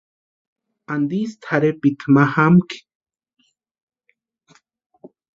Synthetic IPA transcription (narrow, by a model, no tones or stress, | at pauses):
and̪ist̪ʰaɾepit̪ʰmahamki̥